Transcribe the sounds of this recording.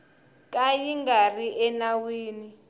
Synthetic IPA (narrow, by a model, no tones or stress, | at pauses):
kʼajiŋɡariʔɛnawiːni